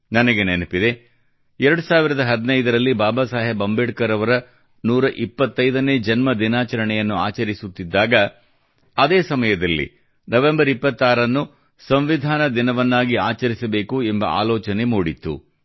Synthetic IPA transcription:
nɐnɐɡenenɐpid̪e̞ | ɛɾɐɽusaːʋiɾɐd̪ɐɦɐd̪inɐjd̪ɐɾɐlːibaːbaːsaːɦɐbɐmbeːʈkɐɾɐʋɐɾɐ | nuːɾɐʔipːɐt̪ːɐjd̪ɐne̞ːd͡ʒɐnmɐd̪inaːt͡ʃɐɾɐɳɛjɐnːuaːt͡ʃɐɾisut̪ːid̪ːaːɡɐ | ɐd̪eːsɐmɐjɐd̪ɐlːḭ | nɐʋe̞mbɐɾipːɐt̪ːaːɾɐnːu | sɐmʋid̪ʱaːnɐd̪inɐʋɐnːaːɡiaːt͡ʃɐɾisɐbe̞ːkuɛmbɐ̰ʔa̰ːlɔːt͡ʃɐnemuːɽit̪ːṵ

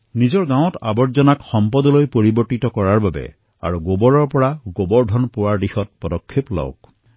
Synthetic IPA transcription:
nizɔɹɡãw̃ɔta̰bɔtzɔnakxɔmpɔdɔlojpoɹibɔɹtitɔkɔɹaɹbabɛ̰ | a̰ɹuɡobɔɹɔɹpɔɹaɡobɔɹdʱɔnpʊwaɹdixɔt̚pɔdɔkʰːeplɔ̰wk̚

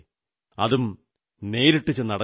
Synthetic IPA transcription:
ɐ̰ðum | ne̞ːɾiʈːit͡ɕːenːɐɽɐ

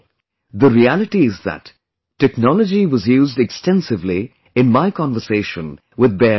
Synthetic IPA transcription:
ðəɾiælɪʈiɪzðə̰tː | ɛknɔləd͡ʒiwʌzjuːzdɛkstɛ̃nsɪvli | ɪ̃nmaɪkʰɑ̃nvəseɪʃə̰̃n | wɪðbɛ

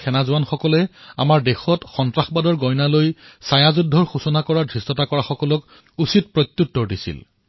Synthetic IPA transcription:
kʰɛnazʊwanxɔkɔlɛa̰maɹdɛxɔtxɔntɹaxbadɔɹɡɔjnalojsajazudʱːɔɹxusɔnakɔɹadʱisɔtakɔɹaxɔkɔlɔk | usit̚pɹɔt̪ːuttːɔɹdisḭl

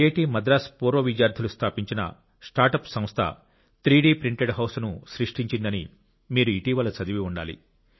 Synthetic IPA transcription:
eːʈiːmɐd̪ɾaːspoːɾoːʋid͡ʒjaːɾd̪ʰʱɐlust̪ʰaːpiɲt͡ʃinɐ̰ | sʈaːɾʈɐpsɐ̃mst̪ʰɐ̰ | t̪ɾiːɖiːpɾiɳʈeɖɦɐwsnuʃɾiʂʈiɲt͡ʃind̪ɐnḭ | miːɾuiʈiːʋɐlɐt͡ʃɐd̪iʋiuɳɖa̰ːlḭ

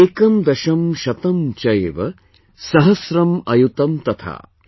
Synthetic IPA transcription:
eːkɐmd̪ɐʃɐmʃɐt̪ɐmt͡ʃɐjeʋɐ | sɐɦɐsɾɐmɐjut̪ɐmt̪ɐt̪ʰa̰ː

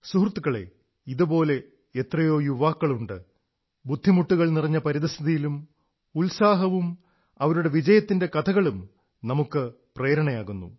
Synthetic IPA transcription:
suhrt̪ːuɣɐɭḛ | iðubo̞ːle̞ | et̪rɐjo̞ːjuʋaːkːɐɭuɳɖɨ | bud̪ʱːimuʈːuɣɐɭnirɐɲːɐpɐɾiðɐst̪ʰiðijilum | ulsaːɦɐʋum | ɐʋɐɾuɽe̞ʋid͡ʑɐjɐt̪ːinde̞kɐt̪ʰɐɣɐɭum | nɐmukːɨ | preːɾɐɳɐjaːɣunːṵ

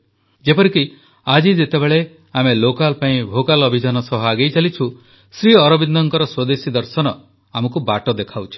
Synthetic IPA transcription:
d͡ʒepɔɾiki | ad͡ʒid͡ʒet̪ebeɭe | amelokalpaĩbʱokalɔbʱid͡ʒanɔsɔɦɔaɡejt͡ʃalit͡ʃʰu | sɾiɔɾɔbind̪ɔŋkɔɾɔswɔd̪esid̪ɔɾsɔnɔ | amɔkubaʈɔd̪ekʰawt͡ʃʰi̥

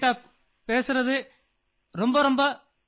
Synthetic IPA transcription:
aːp | peːsɯɾɐðɯ | ɾɔmbɐɾɔmbɐ

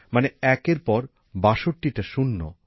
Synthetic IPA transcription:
maneɛkeɾpɔɾ | baʃoʈːiʈaʃunːo̰

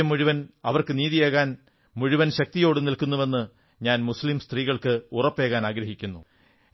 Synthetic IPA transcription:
ɐmːuɻuʋɐnɐʋɐrkɨniːðijeːɣaːn | muɻuʋɐnɕɐk̚t̪ijo̞ːɽɨnilkunːuʋe̞nːɨ | ɲaːnmuslimst̪riːɣɐɭkɨurɐpːe̞ːɣaːnaːɡɾɐɦikʲːunːu

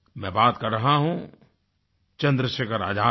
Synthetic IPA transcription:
mɛ̃ːbaːt̪kɐɾːɐɦaɦũ | t͡ʃɐ̃nd̪ɾəʃekəɾa̰ːd͡ʒʱaː

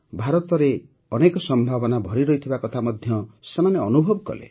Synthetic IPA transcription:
bʱaɾɔt̪ɔɾe | ɔnekɔsɔmbʱabɔnabʱɔɾiɾɔɦit̪ʰibakɔt̪ʰamɔd̪ʱjɔsemaneɔnubʱɔbɔkɔ̰lḛ

